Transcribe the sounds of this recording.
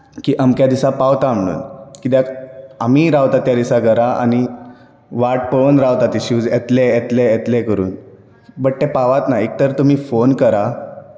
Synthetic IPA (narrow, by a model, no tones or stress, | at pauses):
kiːʔəmkjad̪isãpaʋt̪am̤ɽṵːnkit̪akamiːɾaʋt̪at̪jad̪isaɡəɾaa̰ni | ʋaʈ̚pəʋənɾaʋt̪at̪iɕuːd͡zet̪leet̪leet̪lɛkəɾṵːn | bəʈʈ̪epaʋat̪naek̚t̪əɾt̪um̤iːfonkəɾa